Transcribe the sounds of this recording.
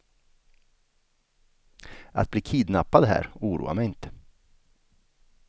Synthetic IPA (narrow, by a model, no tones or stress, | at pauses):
ʔa̰t̪̚bliːkʰiːd̪napːad̪ɦæ̰ːɾuːɾṵːa̰mɛjɪnt̪ə̥